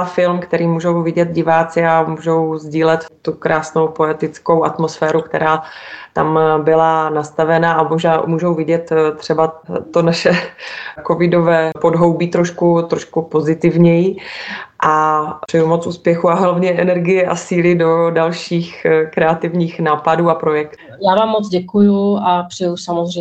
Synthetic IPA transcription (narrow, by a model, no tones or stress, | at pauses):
fɪlmkt̪ɛɾiːmuːʒo̞wvɪɟɛt̪̚ɟɪvaːt͡sɪamuːʒo̞wzɟiːlɛt̪t̪ukɾaːsno̞wpoɛt̪ɪt͡sko̞wʔat̪mosfɛːɾukt̪ɛ̰ɾaːt̪a̰mbɪlanast̪avɛnaamoʒnaːmuːʒo̞wvɪɟɛt̪t̪r̝̥ɛbat̪o̞naʃɛko̞vɪdo̞vɛːpo̞dɦo̞wbiːt̪ɾoʃkut̪ɾo̞ʃkupo̞zɪt̪ɪvɲɛjiʔar̥ɛjumot͡sʔuːspjɛxuaɦlavɲɛʔɛnɛɾɡɪjɛʔa̰siːlɪdo̞dalʃiːxkɾɛat̪ɪvɲiːxnaːpaduːapɾo̞jɛkt̪ | jaːvaːmːot͡sɟɛkujuapr̥ɛjusamozrɛ